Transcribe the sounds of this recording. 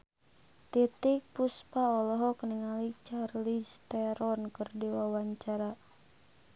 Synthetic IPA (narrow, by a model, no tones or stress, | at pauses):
t̪it̪ik̚puspaɔlɔɦɔkəniŋalit͡ʃarlist̪ɛɾɔnkɨrdiwawaɲt͡ʃaɾa